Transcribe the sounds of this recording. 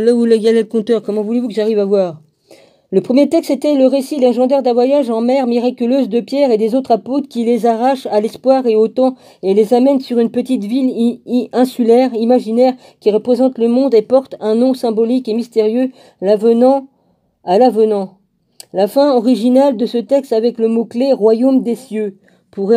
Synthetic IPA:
lauleɡalɛd̪əkɔ̃t̪œʁkɔmɑ̃vulevukəʒaʁivavwaʁ | ləpχəmjet̪ɛkst̪et̪ɛləʁesilɛ̃ʒɑ̃d̪ɛʁd̪ɛ̃vwajaʒɑ̃mɛʁmiʁakʲyløzd̪əpjɛʁed̪ezot̪χapot̪kʲilezaʁaʃalɛspwaʁeot̪ɑ̃ | elezamɛnsyʁynpət̪it̪vilɛ̃sylɛʁimaʒinɛʁ | kʲiʁəpχezɑ̃t̪ləmɔ̃d̪epɔʁt̪ɛ̃nɔ̃sɛ̃bɔlikemist̪eʁjø | lavənɑ̃ | alavənɑ̃ | lafɛ̃ɔʁiʒinald̪əsət̪ɛkst̪avɛkləmokleʁwajomd̪esjø | puʁɛ

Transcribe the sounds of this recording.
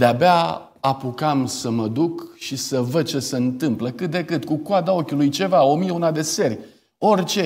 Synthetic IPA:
d̪eabea | apukamsəməd̪ukʃisəvəd̪̚t͡ʃe̞se̞ɨnt̪ɨmpləkɨt̪̚d̪e̞kɨt̪kukoad̪ao̞kʲulujt͡ʃe̞vao̞mijeunad̪e̞se̞rʲ | o̞rʲt͡ʃe̞

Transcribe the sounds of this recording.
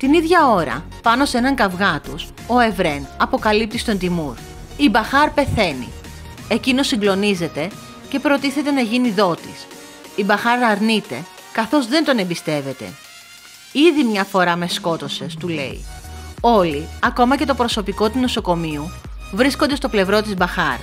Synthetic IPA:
t̪iniðʝɐo̞ɾɐ̰ | pɐno̞senɐŋkɐvɣɐt̪us | o̞evɾe̞nɐpo̞kɐlip̚t̪ist̪o̞nt̪imuɾ | ibɐxɐɾpe̞θe̞nḭ | e̞cino̞siŋɡlo̞nize̞t̪e̞ | ce̞pɾo̞t̪iθe̞t̪e̞nɐʝiniðo̞t̪is | ibɐxɐɾɐɾnit̪e̞ | kɐθo̞zðe̞nt̪o̞ne̞mbist̪e̞ve̞t̪e̞̰ | iðimɲɐfo̞ɾɐme̞sko̞t̪o̞se̞st̪ule̞̰ḭo̞liɐko̞mɐce̞t̪o̞pɾo̞so̞piko̞t̪uno̞so̞ko̞miu | vɾiskond̪e̞st̪o̞ple̞vɾo̞t̪izbɐxɐɾ

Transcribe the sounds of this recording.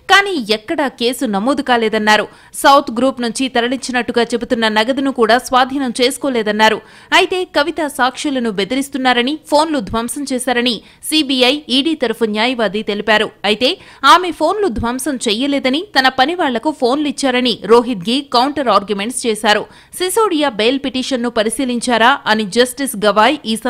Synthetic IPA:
kaːniːɛkːɐɽɐke̞ːsunɐmoːd̪ukaːlɛːd̪ɐnːaːɾu | sɐwt̪ʰɡɾuːpnuɲt͡ʃit̪ɐɾɐɭiɲt͡ʃinɐʈːuɡaːt͡ʃe̞but̪unːɐnɐɡɐd̪inukuːɽaːsʋaːd̪ʱiːnɐmt͡ʃe̞ːsu̥koːlɛːd̪ɐnːaːɾu | ɐjit̪e̞ːkɐʋit̪asaːkʂilɐnube̞d̪iɾist̪unːaːɾɐnipʰo̞ːnlud̪ʱʋɐmsɐmt͡ʃɛːsaːɾɐni | siːbiɐjiːɽiːt̪ɐɾupʰɐnjaːjɐʋaːd̪it̪e̞lipaːɾuɐjit̪e̞ː | aːme̞pʰo̞ːnlud̪ʱʋɐmsɐmt͡ʃɛjɐlɛːd̪ɐnit̪ɐnɐpɐniʋaːɭːɐkupʰo̞ːnluit͡ʃːaːɾɐniɾo̞ːɦit̪̚ɡiːkɐwuɳʈɐɾaːɾɡjume̞ɳʈst͡ʃɛːsaːɾu | sisoːɽijaːbeːlpiʈiːʂɐnːupɐɾisiːliɲt͡ʃaːɾaːʔɐnid͡ʒɐsʈisɡɐʋaːjiːsɐ

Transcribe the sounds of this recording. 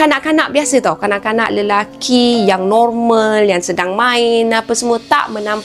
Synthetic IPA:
kanaʔkanaʔbiasət̪ɔwkanaʔkana̰ʔləlakʰijaŋnɔrməljaŋsədaŋmãɪnapəsəmuət̪a̰ʔmənãm

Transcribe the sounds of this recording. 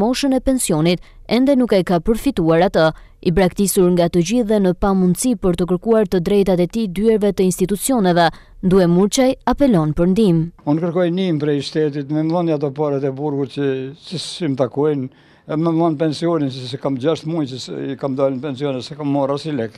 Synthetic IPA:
mɔʃənɛpɛnsjɔnit̪ɛnd̪ɛnukɛkapəɾfit̪uaɾat̪ə | ibɾakt̪isuɾŋɡat̪əd͡ʑiðɛnəpamund̪sipəɾt̪ək̬əɾkuaɾt̪əd̪ɾɛjt̪at̪ɛt̪id̪yɛɾvɛt̪əinst̪it̪ut͡siɔnɛvɛ | nd̪uɛmuɾt͡ʃajapɛlɔnpəɾnd̪imunkəɾkɔjnimpɾɛjʃt̪ɛt̪it̪mɛmðˠɔniat̪̬ɔpaɾat̪ɛbuɾɡut̪̚t͡ʃəsəsimt̪akɔjn | mɛmðˠɔnpɛnsiɔninsəsɛkamd͡ʑaʃt̪mujt͡ʃəsikamd̪alinpɛnsiɔnɛsɛkamːɔrasilɛk

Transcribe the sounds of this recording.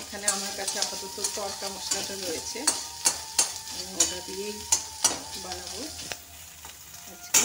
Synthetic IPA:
ekʰaneamaɾkat͡ɕʰeapat̪ot̪ot̪ɔɾkamɔʃlaʈaɾojet͡ɕʰe | eboŋoʈɾad̪iejkʰbalabo | ad͡ʑʰke

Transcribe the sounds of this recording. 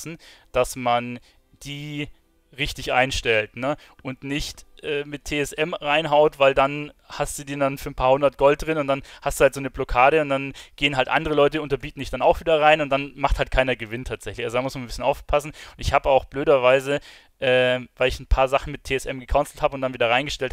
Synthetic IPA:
sn̩d̥asman | d̥iː | ʁɪçtɪçʔa̰ɪnʃtɛltnə | ʔʊntnɪçtʔɛːmɪtʰːeːɛsʔɛmʁaɪnɦaʊtvaɪldanhastd̥uːdiːndanfyːɐnpʰaːhʊndɐt̚ɡ̥ɔlt̚d̥ʁɪnʊntd̥anhastd̥uːhaltz̥oːnəblɔkʰaːɾəʊntd̥anɡ̥eːənɦaltʔa̰ndəʁ̞əlɔʏtəʊntɐbiːtn̩dɪçd̥anaʊxviːdɐʁaɪnʊntd̥anmaχthaltkʰaɪnɐɡəvɪntʰaːtz̥ɛçlɪçʔalzodaːmʊsmannbɪsçənʔaʊfpʰasn̩ʊntɪçhaːbəaʊxb̥løːɾɐvaɪzə | ʔɛːvaɪlɪçn̩pʰaːɐzaχn̩mɪtʰːeːɛsʔɛmɡəkʰaʊnsl̩thaːbəʊntd̥anviːdɐʁaɪnɡəʃtɛlt

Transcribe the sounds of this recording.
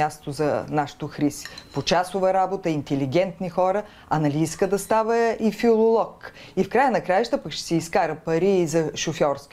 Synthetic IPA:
ast̪ozɐnaʃi̥t̪oxɾisi̥pot͡ʃasʊvəɾabot̪əint̪ɛliɡ̟ʲɛnt̪nixɔɾə | ɐnɐliiskəd̪ɐst̪avəifilˠolˠɔk | ifkɾajənɐkɾajəʃt̪əpəkʃt̪ɛ̥sɛiskaɾəpɐɾiːzɐʃofʲɔɾskʲi

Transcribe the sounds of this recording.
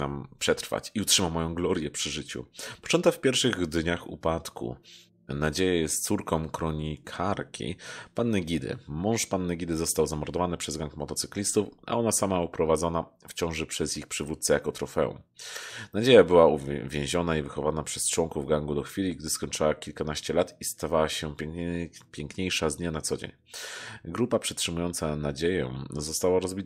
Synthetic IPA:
nampʂɛt̪ɾfa̰t͡ɕiutʂɘmamːɔjɔ̃w̃ɡlɔɾjɛpʂɘʐɘt͡ɕṵpɔ̥t͡ʂɔnt̪ɛafpʲjɛɾfʂɘɣd̪ɲaxṵpat̪kṵ | nad͡ʑejajɛst̪t̪suɾkɔ̃mkɾɔɲikʰaɾkʲʰḭpanːɛɡʲid̪ɘ̰mɔ̃w̃ʂpanːɛɡʲid̪ɘzɔst̪awzamɔɾd̪ɔvanɘpʂɛzɡaŋkmɔt̪ɔt̪sɘ̥klʲist̪ufa̰ɔnasamaupɾɔvad̪zɔnaft͡ɕɔ̃w̃ʐɛpʂɛzjixpʂɘvut̪t̪sɛjakɔt̪ɾɔfɛ̰ṵ̃nad͡ʑejabɘwauvʲjẽw̃ʑɔnaivɘxɔvanapʂɛst͡ʂwɔŋkuvɡaŋɡud̪ɔxfʲilʲiɡd̪ɘskɔɲt͡ʂɘwakʲilkanaɕt͡ɕɛlat̪ist̪avawaɕɛ | pʲjɛŋkɲejʂazd̪ɲanat̪sɔd͡ʑḛɲ | ɡɾupapʂɛtʂɘmujɔnt̪sanad͡ʑejɔ̰̃w̃zɔst̪awaɾɔzbʲit̪

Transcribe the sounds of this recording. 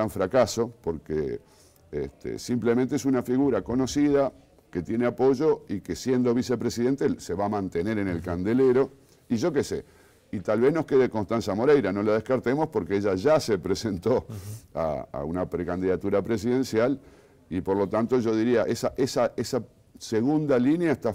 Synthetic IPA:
aɱfɾakaso̞po̞ɾkḛ | ḛst̪ʰḛsimplemẽnt̪ees̬unafiɣuɾako̞no̞siða | ke̞t̪je̞neapo̞ʒo̞ikesje̞nd̪o̞βise̞pɾesiðe̞nt̪ese̞βamãnt̪e̞ne̞ɾene̞lkand̪e̞leɾo̞ | iʒo̞ke̞se̞ | it̪alβe̞zno̞ske̞ðekonst̪ansamo̞ɾejɾano̞lað̞e̞hkaɾt̪emo̞spo̞ɾkeeʒaʒase̞pɾese̞nt̪o̞a̰a̰unapɾekand̪iðat̪uɾapɾe̞s̬iðẽ̞nsjal | ipo̞ɾlo̞t̪ant̪o̞ʒo̞ðiɾiaʔesaʔesaʔesa | se̞ɣund̪alinjaest̪a

